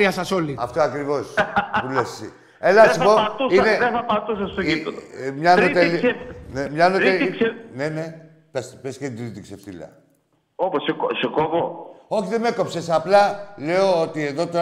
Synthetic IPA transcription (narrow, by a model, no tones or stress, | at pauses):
iɐsɐsoliɐft̪oɐkɾivo̞spulessi | elɐsipoɐt̪usiineðeθɐpat̪usɐst̪oiomɲɐnot̪elenemɲɐnoeine̞ne̞ | pespesked̪ɾit̪iksefθḭlɐ̰ | oposekosekovoo̞çiðe̞me̞ko̞pse̞sɐplɐle̞o̞ot̪ie̞ðo̞t̪o